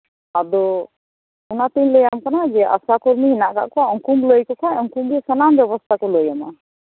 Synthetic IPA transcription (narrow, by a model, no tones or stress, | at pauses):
ad̪ɔ | unat̪iɲləjamkanad͡ʒɛʔa̰sakɔɾmiɦinaʔka̰ʔkɔaɔŋkumləjkɔkʰajɔŋkumbɛsɔnambjɔβɔst̪ʰakɔləjama̰